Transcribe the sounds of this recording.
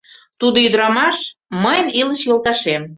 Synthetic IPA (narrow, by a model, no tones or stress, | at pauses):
t̪ud̪oyd̪ɾɑmɑʃməjənilə̆ʃjolˠt̪ɑʃem